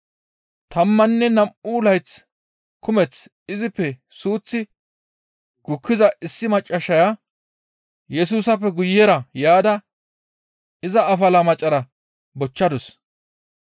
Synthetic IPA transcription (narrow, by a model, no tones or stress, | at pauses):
t̪ɐmːɐnːɛnɐmuːlɐjt͡s | kʊmɛt͡s | ɪzɪpːɛ | suːt͡sːɪ | ɡ̥ʊkʰːɪzɐʔɪsːɪmɐt͡ʃʼːɐʃɐja | jɛsuːsɐpːɛɡʊjːɛɾɐjaːd̪ɐ | ɪzɐːfɐlɐmɐt͡ʃʼːɐɾɐ | bɔt͡ʃːɐd̪ɔs